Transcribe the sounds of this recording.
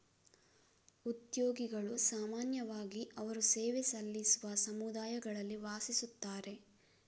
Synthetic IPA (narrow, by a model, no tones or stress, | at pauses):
ut̪joːɡiɡɐɭusaːmaːnjɐʋaːɡiʔɐʋɐɾusɛːʋesɐlːisuʋɐsɐmud̪aːjɐɡɐɭɐlːiʋaːsisut̪ːaːɾe̞